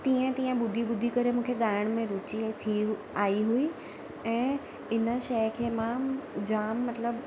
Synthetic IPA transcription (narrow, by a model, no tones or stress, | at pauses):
t̪ĩːə̃t̪ĩːə̃ɓʊd̪ʱiɓʊd̪ʱikɐɾemũːkʰeɠaːɪəɽ̃mẽɾʊt͡ɕit̪ʰi | aːiɦui | ɛ̃ː | ɪnəʃɐjkʰeːmãd͡ʑaːmːɐt̪ləb